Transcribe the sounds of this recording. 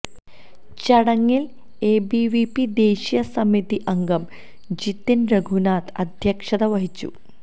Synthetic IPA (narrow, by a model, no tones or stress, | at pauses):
t͡ɕɐɽɐŋːil | eːbiʋipid̪e̞ːɕijɐsɐmit̪iʔɐŋɡɐm | d͡ʑit̪ːinɾɐɡʱunaːt̪ɐd̪ʱjɐkʂɐðɐʋɐɦit͡ɕːṵ